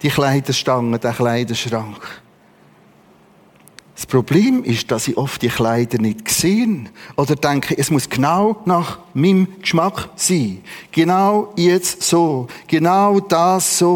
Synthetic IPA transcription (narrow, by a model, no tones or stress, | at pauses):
d̥iχlæɪdəʃtɑŋəd̥æːχlæɪdəʃrɑŋkχ | sprɔb̥leːmɪʃd̥ɑsiʔɔft̚d̥iəχlæɪd̥ənɪtkseːnʔɔdəɾdæŋkχəʔɛsmuəsɡ̥naʊnɑχmimkʃmɑkχsiːɡ̥enaʊjɛt͡ssoːɡ̥enaʊd̥ɑːsːoː